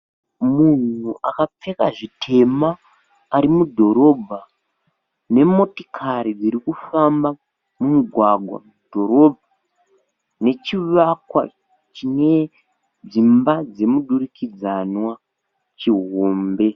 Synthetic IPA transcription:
mun̤uʔakap͡fe̞kaʐitʰe̞maː | ɾimudʱo̞ɾo̞bʱa | ne̞mo̞ti̥kʰaɾid͡ziɾikufamba | mumuɡʱwaɡʱwa̰mud̥ʱo̞ɾo̞bʱa | ne̞t͡ʃiʋakwa̰ | t͡ʃine̞ | d͡zimbad͡ze̞muɗurikid͡zanwa | t͡ʃiɦoːmbe̞

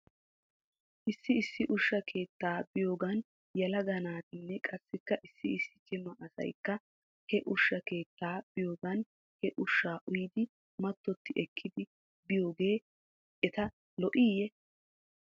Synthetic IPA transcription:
ʔɪsːɪɪsːɪʔʊʃːɐkʰe̞ːt̪ːaːbɪjoːɡɐn | jɐlɐɡɐnaːt̪ɪnːɛkʼɐsːɪkːɐʔɪsːɪɪsːɪt͡ʃʼɪmːɐʔɐsɐ̰jkːɐ | hɛʔʊʃːɐke̞ːt̪ːaːb̥ɪjoːɡɐn | hɛʔʊʃːaːʔʊjɪd̪ɪ | mɐt̪ːɔt̪ːɪʔɛkʰːɪd̪ɪ | bɪjo̞ːɡe̞ː | ʔɛt̪ɐ | lɔʔiːjɛ

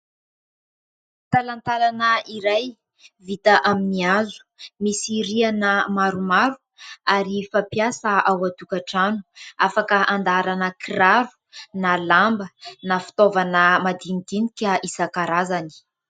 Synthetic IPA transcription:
t̪alant̪alanəiɾaj | vit̪aʔaminiazu̥misiɾianəmaɾumaɾu̥ | aɾifapijasəʔawat̪ukaʈ͡ʂanuafakəʔand̪aɾanəkraɾu̥nalambənafi̥t̪ovanəmad̪init̪inikʲəisakaɾazani̥

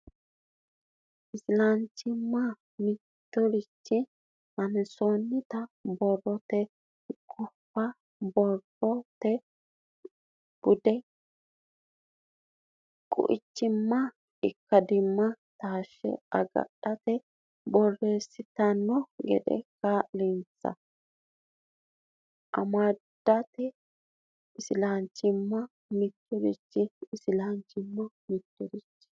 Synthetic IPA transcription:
ɪsɪlɐnt͡ʃːɪmːɐ | mɪ | t̪ːɔɾɪt͡ʃːɪ | mɐnsonːɪt̪ɐbɔrːɔt̪ɛ | kʼʊfːɐ | bɔr | ɔt̪ɛ | b̥ʊd̪ɛ | kʼʊ̰ʔɪt͡ʃːɪmːɐ | ɪkːɐd̪ɪmːɐt̪aːʃːɛ̰ɐɡɐ̰ɗːɐt̪ɛ | bɔrːeːsːɪt̪ɐnːɔɡɛ̰d̪ɛ̰kalɪnt͡sːɐ̰ | ʔɐ̰mad̪̥ɐt̪ɛ | ɪsɪlaːnt͡ʃːɪmːɐ | mɪt̪ːɔɾɪt͡ʃːɪɪsɪlant͡ʃːɪmːɐ | mɪt̪ːɔɾɪt͡ʃː

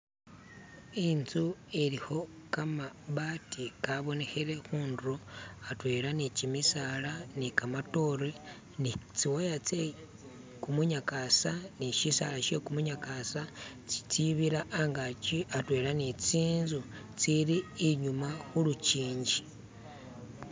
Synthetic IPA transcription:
inzueɾiho̞ | kamaβatʰikaβo̞ne̞xeɾe̞xuːndɾoatwe̞ːɾanicimisalanikamato̞ɾe | nit͡siwajat͡se | kumuɲakasaniʃisalaʃekumuɲakasat͡si̥t͡siβiɾaʔːŋɡat͡ʃiʔatwe̞ːɾanit͡siːnzu | t͡siɾiːɲumaxulut͡ʃiːɲɟi

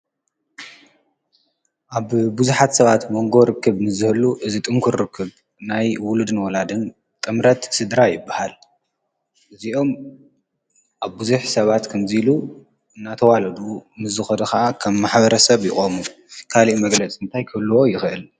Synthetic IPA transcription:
ʔaβbuzuħat̪sɐβat̪mo̞ŋɡo̞ɾɨkʰːɨβnɨzɨhɨlːuʔɨzit̪ʼɨŋkʰuɾɾɨkʰːɨβ | najwʊlud̪ɨnwɔlad̪ɨn | t̪ʼɨmɾɐt̪sɨd̪ɾajɪbːahal | ʔɨziʔo̞m | ʔaβbuzuħsɐβat̪kʰɐnzilu | ɨnːat̪ʰɐwalɐd̪unɨzɨxɐd̪ɐxaʔakʰɐmːaħbɐɾɐsɐβjɪxʼomu | kʰaliʔmɐɡlɐt͡sʼɨnt̪ʰajkʰɐlːɨwo̞jɪxɨʔɨl

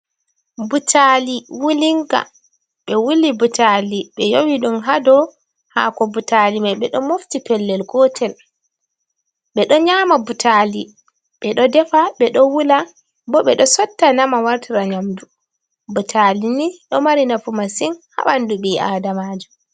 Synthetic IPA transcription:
butʰaliwuliŋɡa̰ | ɓɛwulibutʰaliɓɛjowiɗumɦadɔ | ha̰kɔbutalimajɓɛɗɔmoftipɛlːɛlɡɔtʰɛl | ɓɛɗɔɲaːmabutʰali | ɓɛɗɔdɛfaɓɛɗɔwula | bɔɓɛɗɔsɔtːanamawaɾtʰiɾaɲamdu | butʰaliniɗɔmaɾinafumasinha̰ɓanduɓiʔaːdamaːd͡ʒu

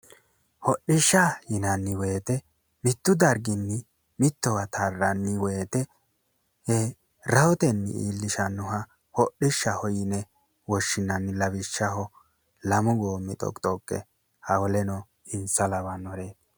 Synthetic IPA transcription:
hɔʔɪʃːɐjɪnɐnːɪweːt̪ɛ | mɪt̪ːʊd̪ɐɾɡɪnːɪ | mɪt̪ːɔwɐt̪ʰarːɐnːɪweːt̪ɛ | hɛ | ɾɐwɔt̪ɛnːɪ̰ḭːlːɪʃɐnːʊɦɐ | hɔʔːɪʃːɐhɔjɪnɛ | wɔʃːɪnɐnːɪlɐβɪʃːɐɦɔ | lɐmʊɡoːmːɪt̪ʼɔ̰kʼt̪ʼɔkʼːɛ̰ | hɐwɔlɛnɔ | ɪnsɐlɐbɐnɔɾeːd̪

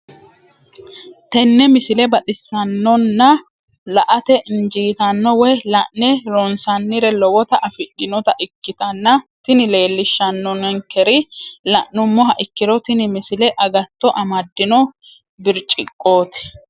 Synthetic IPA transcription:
t̪ɛnːɛmɪsɪlɛbɐt̪ʼɪsːɐnːɔnːɐ | lɐʔɐt̪ɛʔɪnd͡ʒiːt̪ɐnːɔwɛjlɐʔnɛɾonsɐnːɪɾɛlɔwɔt̪ɐʔɐfɪɗɪnɔt̪ɐʔɪkːɪt̪ɐnːɐt̪ɪnɪle̞ːlːɪʃːɐnːɔnɛŋkɛɾɪlɐʔnʊmːɔɦɐʔɪkːɪɾɔt̪ɪnɪmɪsɪlɛʔɐɡɐt̪ːɔʔɐmɐd̪ːɪnɔ | bɪɾt͡ʃʼɪkʼːo̞ːt̪ɪ̥

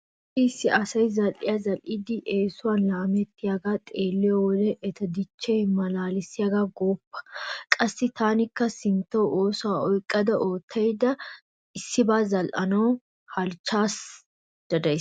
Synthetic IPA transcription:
isːɪʔɐsɐjzɐlʔɪ̰jazɐlʔɪd̪ɪʔeːsʊwaːnlaːmɛt̪ːɪjaɡat̪ʼeːlːɪjɔwlɛʔɛt̪ɐd̪ɪt͡ʃːɛjmɐlaːlɪsɪjaɡaɡoːpːɐ̥kʼɐsːɪt̪aːnɪkːɐsɪnt̪ːɐwʔoːsʊwaɔjkʼːɐd̪ɐʔo̞ːt̪ʰːɐjd̪ɐ | ɪsːɪbaːzɐlʔɐnɐw | hɐlt͡ʃːaːs | d̪̥ɐd̪ɐj

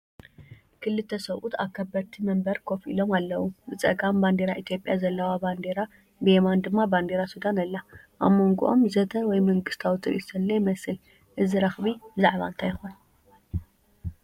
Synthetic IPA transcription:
kʰɨlɨt̪ʰːɐsɐwʔut̪ʰa̰kʰːɐbɐɾt̪ʰimɐmbɐɾkʰo̞fḭlo̞malːɐwubɨt͡sʼɐ̰ɡamband̪eɾaʔit̪ʰjo̞pʼjazɐlːɐwaband̪eɾa | bɨemand̪ɨmːaband̪eɾasud̪anɐlːa | ʔa̰βmoŋɡuʔo̞̰mzɐt̪ʰɐwɔjmɐŋɡɨst̪ʰawt̪ʰɨɾʔḭsɐlːɐjmɐsɨl | ʔɨzɨɾɐxβibɨzaʕβa̰nt̪ʰajɪxun

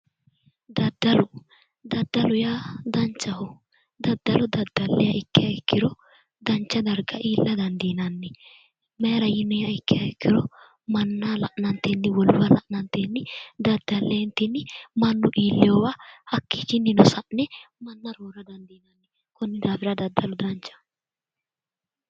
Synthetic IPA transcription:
d̪ɐd̪ːɐlʊ | d̪ɐd̪ːɐlʊjad̪ɐnt͡ʃːɐhɔ | d̪ɐd̪ːɐlɔd̪ɐd̪ːɐlːɛjɐʔɪkːɪjɐɪkːɪɾɔ | d̪ɐnt͡ʃːɐd̪ɐɾɡɐʔiːlːɐd̪ɐnd̪inɐnːɛ | meːɾɐjɪnɔjɐɪkːɪjɐɪkːɪɾɔ | mɐnːalɐʔnɐnt̪eːnːɪwɔlbɐlɐʔnɐnt̪eːnːɪd̪ɐd̪ːɐlːeːnt̪ɪnːɪmɐnːʊʔiːlːɪjowaɐkːiːt͡ʃɪnːɪnɔsɐʔnɛmɐnːɐɾoːɾɐd̪ɐnd̪iːnɐnːɛ | kɔnːɪd̪aːfɪɾɐd̪ɐd̪ːɐlɔd̪ɐnt͡ʃːɐ̥

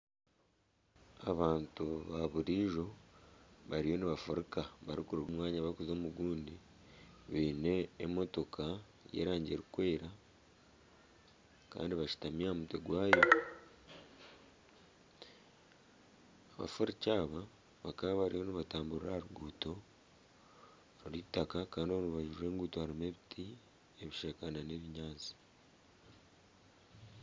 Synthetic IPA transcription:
aβaːntuβaβuɾiːʒo̞ | βaɾijo̞niβafoɾikaβaɾikuɾuɡumwaːɲaβaɾikuzo̞ːmuɡuːndi | βiːne̞ːmo̞to̞kʰa | je̞̰ːɾaːɲɟe̞ɾikwe̞ːɾa | ka̰ːndiβaʃu̥tamiamuteɡwaːjo̞ | aβa̰foɾicaːβa | βakaββaɾioniβataːmbuɾɾahaɾuɡuːto̞ | ɾiɾitakakaːndioβnuβaʒuɾe̞ːŋɡuːtohaɾimeβitʰi | eβiʃekanane̞βiɲaːzi̥

